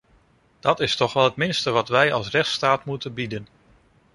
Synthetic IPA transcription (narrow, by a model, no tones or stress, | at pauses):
d̥ɑtɪstɔχʋɛlˠɦətmɪnstəʋɑtʋɛjɑ̰lˠsrɛχtstaːtmutənbidən